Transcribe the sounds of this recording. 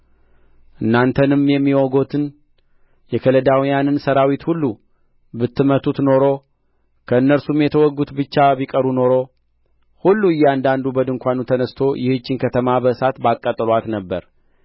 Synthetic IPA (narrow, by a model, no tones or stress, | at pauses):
ʔɨnːant̪ʰənɨmjɛmːiwoɡo̞t̪ʰɨn | jɛkʰələd̪awijanɨnsəɾawit̪hulːu | bɨt̪ːɨmət̪ʰut̪no̞ɾo̞ | kʰəɨnːəɾsumjɛt̪ʰəwɔɡːut̪bɨt͡ʃːabikʼəɾuno̞ɾo̞ | hulːuɨjːɛand̪and̪ubəd̪ɨŋkʷanut̪ʰənəst̪ʰo̞jɪhɨt͡ʃːɪnkʰət̪ʰəmabəɨsat̪bakʼːət̪ʼəlat̪nəbːəɾ